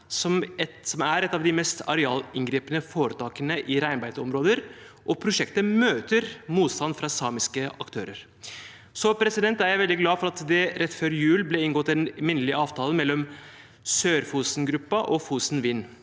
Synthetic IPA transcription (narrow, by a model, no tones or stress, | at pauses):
sɔmɛ | sɔmæɾɛt̪ːɑʋd̪ɪmɛst̪ɑ̰ɾɛɑːlɪŋɡɾiːpənəfoːɾət̪ʰɑːkənəʔɪɾæɪnbæɪd̪ɔmɾoːd̪əɾʔɔpʰɾʊʂɛkt̪əmøːt̪əɾmuːt̪st̪ɑnd̪fɾɑsɑːmɪskəɑkt̪ʰøːɾəɾ | sɔpʰɾɛsɪd̪ɛnt̪æɾjæɪʋɛld̪ɪɡlɑːfɔɾɑt̪d̪ɛɾɛt̪ːføːɾjʉːlblɛɪnɡɔt̪ːɛnmɪnːəlɪʔɑːʋt̪ʰɑːləmɛlːɔm | søːɾfuːsnɡɾʉpːɑʔɔfuːsnʋiːnː